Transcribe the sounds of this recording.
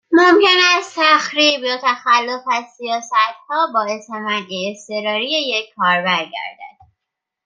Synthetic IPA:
momcʰenæst̪ʰæxɾiːbjot̪ʰæxælːo̞fæzsijɒːsæt̪hɒːbɒːesæmæniest̪e̞ɾɒːɾijejecʰkːɒːɾbæɾɟæ̰ɾd̪æ̰d̪̥̚

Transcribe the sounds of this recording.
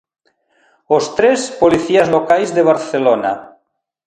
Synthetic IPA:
ost̪ɾespoliθiazlokajzðeβ̞aɾθelona̰

